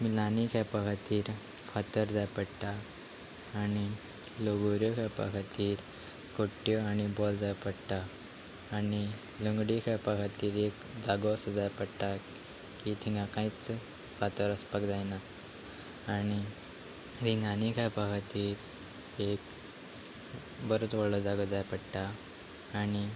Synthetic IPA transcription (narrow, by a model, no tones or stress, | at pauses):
milanikʰajpakʰat̪iːɾ | fat̪əɾd͡zajpəɽʈ̪aː | ñi | loɡoɾjɔkʰajpa̰kʰat̪iːɾ | koʈːjɔaɽ̃ibɔld͡zajpəɽʈ̪aː | ni | ləŋɡɽikʰajpakʰat̪iːɾek | d͡zaɡosəd͡zajpəɽʈa | kit̪ʰiŋɡãkãit͡s | ʋat̪əɾəspakd͡zajnaː | ɽ̃i | ɾiŋɡanikʰajpakʰat̪iːɾ | ek | bəɾot̪ʋəɭlɔd͡zaɡɔd͡zajpəɽʈaː | ɽ̃i